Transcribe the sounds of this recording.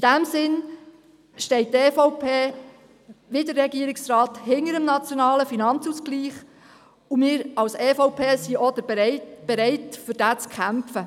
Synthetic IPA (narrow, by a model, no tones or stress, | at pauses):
id̥æmsɪn | ʃtɛɪt̚teːfɔʊpʰeː | ʋɪdərːɛɡiːəɾɪksrɑːt̪hɪŋəɾəmnɑt͡sjonɑːləfinɑnt͡suskliːχ | umɪːɾɑwseːfɔʊpʰeːsiʔɔd̪əbɾɛɪb̥eɾɛɪtfʏɾd̥æːt͡skʰæmfə